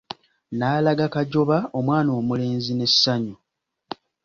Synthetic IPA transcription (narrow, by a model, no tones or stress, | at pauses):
naːlaɡakaɟo̞βao̞mwaːno̞ːmule̞ːnzine̞saɲo